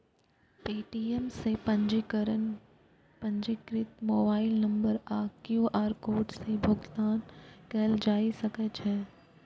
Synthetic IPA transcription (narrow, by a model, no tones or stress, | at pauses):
piːʈiːɛmsepɐd͡ʒkəɾən | pɐ̃ɲd͡ʒɪkɾɪt̪moːbaːɪlnɐ̃mbəɾaːkjuːʔaːɾkoːɾɖsebʱʊɡt̪aːnkɛːld͡ʒaːisɐkət͡ʃɦɛː